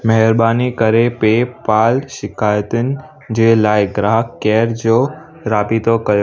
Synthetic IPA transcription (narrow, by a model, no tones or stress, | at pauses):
mɐɦəɾbaːnikəɾepepaːlʃɪkaːjt̪ənɪ̆ | d͡ʑeːlaːɪɡɾaɦkːɛːɾd͡ʑo | ɾaːpit̪okɐjo